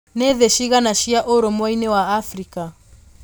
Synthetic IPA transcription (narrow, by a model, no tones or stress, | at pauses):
neðeʃiɣanaʃiaʔoɾɔmwainɛwaːfɾika